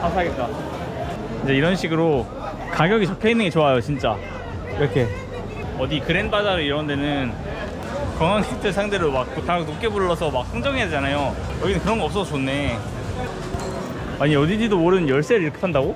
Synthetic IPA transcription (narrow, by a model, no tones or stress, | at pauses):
amsʰaɡet͈a | ind͡ʑeiɾʌnɕʰiɡɯɾo | kaɡjʌɡit͡ɕʌkʰʌinːɯnɡe̞t͡ɕoajot͡ɕint͡ɕ͈a | iɾʌkʰe̞ | ʌdikɯɾe̞nbad͡ʑaɾaiɾʌʌnde̞nɯn | kʌŋaŋʰitʰɯsʰaŋde̞ɾɯɭwak̚k͈otanok͈ebuɭːʌsʰʌmak̚s͈ʰɯŋd͡ʑʌŋiɦaded͡ʑanajo | jʌɡinɯnkɯɾʌnɡʌps͈ʌot͡ɕonːe̞ | aɲiʌdid͡ʑidomoɾɯnjʌɭs͈eɾɯɭiɾkʰe̥pʰandaɡo